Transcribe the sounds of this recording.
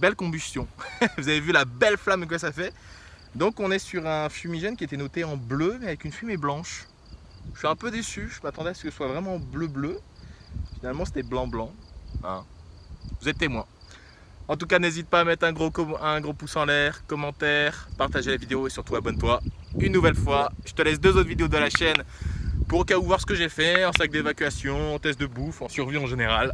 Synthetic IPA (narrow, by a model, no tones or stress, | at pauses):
bɛlkɔ̃byst̪jɔ̃vuzavevylabɛlflamk̬wasafɛ | d̪ɔ̃kɔ̃nɛsyʁɛ̃fymiʒɛnkʲiet̪ɛnɔt̪eɑ̃blømɛavɛkynfymeblɑ̃ʃ | ʒə̥ʃɥiɛ̃pød̪esyʒəmat̪ɑ̃d̪ɛasəkəsəswavʁɛmɑ̃bløblø | finalmɑ̃se̥t̪ɛblɑ̃blɑ̃ɛ̃ | vuzɛt̪ːemwɛ̃ | ɑ̃t̪ukanezit̪̚paːmɛt̪χɛ̃ɡʁokɔɛ̃ɡʁopusɑ̃lɛʁkɔmɑ̃t̪ɛʁpaʁt̪aʒelavid̪eoesyʁt̪uabɔnt̪wa | ynːuvɛlfwaʒ̥ət̪əlɛs̬d̪øzot̪χvid̪eod̪əlaʃɛnpuʁokauvwaʁsə̥kəʒefɛɑ̃sak̚d̪evakʲɥasjɔ̃ɑ̃t̪ɛst̪d̪əbufɑ̃syʁviɑ̃ʒeneʁal